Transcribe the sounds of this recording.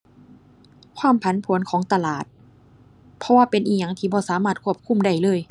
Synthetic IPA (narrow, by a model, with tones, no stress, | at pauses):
kʰwaː˧˥˩mpʰa˨˦npʰu˨˩˦ənkʰɔː˩˦ŋt̪a˧laː˨˩t̪̚ | pʰɔ˧waː˧˩pe˧nʔiː˧˩ɲa˨˧˩ŋt̪ʰiː˧˩bɔː˧˦saː˨˦maː˧˩t̪̚kʰu˧˥˩əp̚kʰu˧˥˨mda˧˩jlɤː˧˩˨j